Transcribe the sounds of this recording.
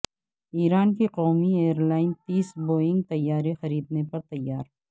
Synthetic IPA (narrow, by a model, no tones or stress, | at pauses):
iːɾaːnkeqɔːmieːəɾlaːɪnt̪iːsboːɪ̃ŋɡt̪ɐjːaːɾexɐɾiːd̪nepɐɾt̪ɐjːaːɾ